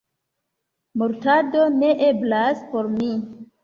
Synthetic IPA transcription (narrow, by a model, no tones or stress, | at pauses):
muɾtado̞ne̞ʔe̞blaspo̞ɾmi